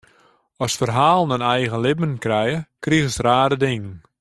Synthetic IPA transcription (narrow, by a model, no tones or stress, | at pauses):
ɔsfərɦaːlˠənənɛjɣənlɪbənkrɛjəkriɣəsraːdədɪŋən